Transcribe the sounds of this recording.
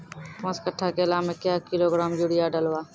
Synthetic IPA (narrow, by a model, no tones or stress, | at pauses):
kõːskəʈʰːaːkeəlaːmẽkːjaːkɪloːɡɾaːmjuɽɪjaːɖəlʋaː